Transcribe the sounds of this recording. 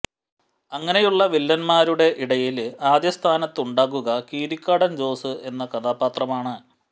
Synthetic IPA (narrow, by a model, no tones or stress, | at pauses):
ɐŋːɐne̞juɭːɐʋilːɐnmaːɾuɽe̞ʔiɽɐjilaːd̪jɐst̪ʰaːnɐt̪ːuɳɖaːɣuɣɐkiːɾikʲːaːɽɐnd͡ʑo̞ːsɨe̞nːɐkɐðaːbaːt̪rɐmaːɳɨ